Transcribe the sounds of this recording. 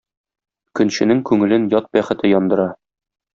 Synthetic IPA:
kɵ̆nɕɘ̆nɘŋkʉŋɘ̆lɘnjɒt̪̚bæχɘ̆t̪ɘjɒnd̪ɤ̆ɾɑ

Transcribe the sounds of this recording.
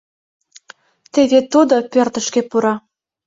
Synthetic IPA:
t̪eβet̪ud̪opørt̪ə̆ʃkĕpuɾɑ

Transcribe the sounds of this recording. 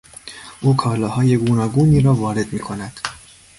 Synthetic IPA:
ʔuːkʰɒːlɒːhɒːje̞ɡuːnɒːɡuːniːɾɒːvɒːɾe̞d̪miːkʰo̞næd̪̥

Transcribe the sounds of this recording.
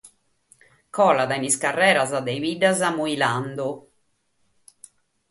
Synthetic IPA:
kɔlad̪ainiskarːɛːɾazad̪ɛiviɖazamuiland̪u

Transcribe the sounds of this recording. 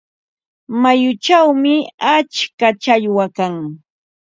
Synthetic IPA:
majʊt͡ʃawmɪat͡ʃkat͡ʃaʎwakaŋ

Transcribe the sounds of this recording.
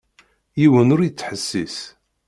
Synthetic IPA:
jiwənʊɾjət͡sːħəsːis

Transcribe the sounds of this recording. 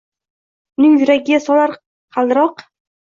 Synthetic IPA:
nɪŋjʊɾaɡʲɪjasɒlaɾ | qʰɑlˠd̪ɪɾɒq

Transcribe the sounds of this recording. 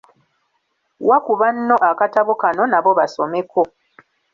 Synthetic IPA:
wakuβanːo̞ʔakataβokano̞naβo̞βaso̞me̞ko̞

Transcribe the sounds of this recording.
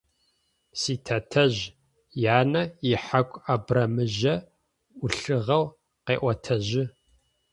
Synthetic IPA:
siːtʰɐtʰɐʑ | jaːnɐɪħakʷʼabrɐmɨʒɐ | ʊɬɨʁɐw | qeːʔʷɐtʰɐʑɪ

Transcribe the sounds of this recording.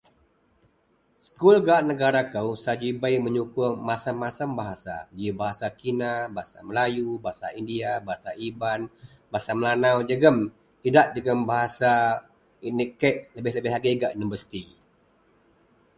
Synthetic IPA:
sə̥kulɡaʔnəɡaɾakəwsad͡ʒibəjməɲukʊmasamasəmbaɦasa̰d͡ʒiəbaɦasakinabaɦasa̰məlajubaɦasa̰indiabaɦasaiban | baɦasaməlanawd͡ʒəɡəm | idaʔ̚d͡ʒəɡəmbaɦasa | inikəʔləbɪhləbɪhɦlaɡəɡaʔnubəsi̥t̪i

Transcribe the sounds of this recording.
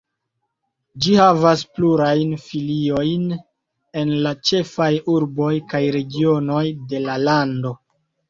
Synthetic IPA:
d͡ʒihavaspluɾajnfilio̞jn | e̞nlat͡ʃe̞fajuɾbo̞jkajɾe̞ɡio̞no̞jde̞lalando̞

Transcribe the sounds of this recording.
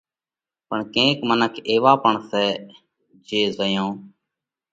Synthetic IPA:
pəɳkẽːkmənəkʰeːʋaːpəɳsɛː | d͡ʒeːzəjõː

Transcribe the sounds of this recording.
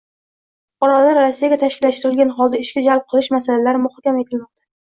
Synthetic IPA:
fʊqɒɾalaɾːasːijaɡʲat̪ʰaʃkʲɪlːaʃt̪ɪɾɪlɡʲanɦɒlˠd̪aɪʃkʲad͡ʒalp̚qʰɨlˠɪʃmasalalaɾɪmʊhɒkʲamae̞t̪ʰɪlmɒq̚t̪ʰḁ

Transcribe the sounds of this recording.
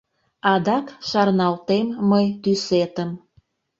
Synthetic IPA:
ɑd̪ɑkʃɑrnɑlt̪emːəjt̪yset̪əm

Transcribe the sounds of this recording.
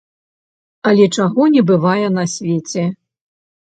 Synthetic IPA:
ɐlʲɛt͡ʂaɣɔnʲɛbɨvajɛnɐsʲvʲet͡sʲɛ

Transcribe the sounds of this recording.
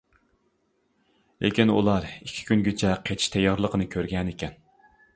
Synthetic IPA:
lʔḛkʲinṵlˠɑɾikʲʰːi̥kʲynɡʲet͡ʃʰɛqʰet͡ʃ̪ʰi̥ʃt̪ʰɛjɑɾlˠəqʰənɨkʲʰøɾɡʲɛnekʲɛn

